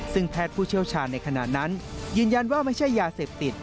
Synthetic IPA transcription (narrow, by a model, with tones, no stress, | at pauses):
sɯ˥˩ŋpʰɛː˥˩t̪̚pʰuː˥˩t͡ɕʰi˥˩əwt͡ɕʰaː˧nːa˧jkʰa˧na̰˨˩t̪̚na˦˥njɯː˧nja˧nwaː˥˩ma˥˩jt͡ɕʰa˥˩jːaː˧seː˨˩p̚t̪i˨˩t̪̚